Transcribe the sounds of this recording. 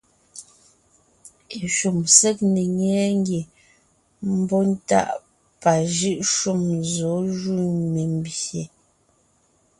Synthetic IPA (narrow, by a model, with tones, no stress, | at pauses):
e˨ʃu˨msɛ˦k̚ne˨ɲɛ˨˦ŋ˦ɡe˨ | m̩˦bɔ˦n̩˦ta̰˦˨ʔ | pa˨ʒɯ˦ʔʃu˦˨mzɔ˨˦ʒu˦˨me˨m˨bje˨